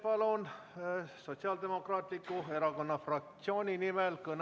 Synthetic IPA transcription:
pɑlon | so̞t̪siɑld̪emo̞krɑːt̪likːˑue̞ɾɑko̞nːɑfrɑk̚t̪sio̞ːnʲinimɛlkɤn

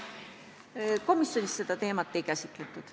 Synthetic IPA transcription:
ko̞misjo̞nist̪se̞d̪̥ɑt̪e̞ːmɑt̪ːˑe̞jkæsʲik̪let̪ːˑud̪̥

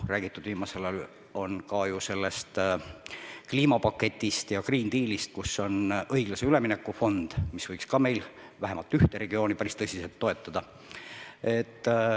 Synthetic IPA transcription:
ræːɡ̥it̪ːˑud̪̥viːmɑse̞lɑl | o̞nkɑjuse̞lːe̞st̪ | kliːmɑpɑkːˑe̞t̪ʲːˑist̪jɑkriːnd̪iːlist̪̚kusːo̞nɤjɡ̥lɑse̞yle̞minekːˑufo̞nd̪̥misvɤjkskɑme̞jl | væɦe̞mɑlt̪ːˑyht̪eɾe̞ɡio̞ːnipæɾist̪ɤsʲiselt̪ːo̞e̞t̪ːˑɑd̪̥ɑ | e̞t̪ː

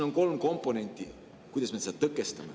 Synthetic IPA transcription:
noŋko̞lmko̞mpːˑo̞ne̞nʲt̪ʲːˑi | kujd̪ɑsmesed̪t̪ɤkːˑest̪ɑmḛ

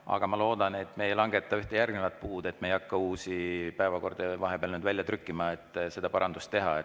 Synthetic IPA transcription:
ɑ̰ɡ̥ɑmɑlo̞ːd̪̥ɑne̞t̪ːˑme̞jlɑŋɡ̥e̞t̪ːˑɑyht̪e̞jærɡ̥nevɑt̪̚puːd̪e̞t̪ːmejɑkːɑuːsipæevɑko̞rd̪̥evɑɦe̞peɑlnyːd̪vælʲjɑt̪rykːˑimɑet̪ːˑse̞d̪̥ɑpɑɾɑnd̪ust̪ːe̞ɦɑ̰e

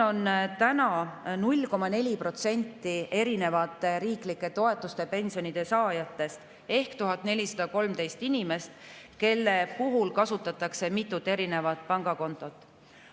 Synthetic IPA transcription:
o̞nt̪ænɑnulʲko̞mɑne̞lʲipro̞t̪se̞nʲt̪ːie̞ɾine̞vɑt̪ːˑeɾiːklikˑːe̞t̪o̞e̞t̪ːˑust̪e̞pe̞nʲsio̞nid̪̥e̞sɑːjɑt̪ːe̞st̪ | e̞hkt̪uɦɑt̪ne̞lʲisɑd̪̥ɑko̞lmt̪e̞jst̪inime̞st̪ke̞lːepuɦulkɑsut̪ːˑɑt̪ːˑɑkse̞mit̪ːˑut̪ːˑe̞ɾine̞vɑt̪̚pɑŋɡ̥ɑko̞nt̪ːˑo̞t̪ːˑ

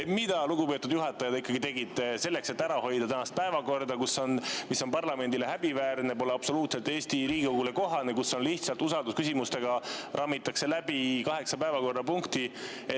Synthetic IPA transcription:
mid̪̥ɑluɡupøt̪ːud̪̥juɦɑt̪ːˑɑjɑd̪ikːɑɡ̥it̪e̞ɡid̪̥se̞lːe̞kse̞t̪ːæɾɑho̞jd̪ɑt̪ænɑst̪̚pæevɑko̞rd̪ɑkusːo̞nmisːo̞npɑrlɑme̞nd̪ile̞ɦæbivæːrnep̬o̞leɑb̥so̞luːt̪selt̪ːeːsʲt̪iɾiːɡikoɡule̞ko̞ɦɑnekuso̞nliht̪sɑlt̪ːˑusɑld̪uskysimust̪e̞ɡ̥ɑrʔɑmːit̪ːˑɑkse̞læbikɑɦe̞ksɑpæevɑko̞rd̪ɑpuŋkt̪i | e

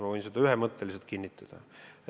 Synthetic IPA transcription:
mɑvɤjnsed̪̥ɑyɦemɤt̪ːe̞liselt̪̚kinʲːit̪ːˑɑd̪̥ɑ

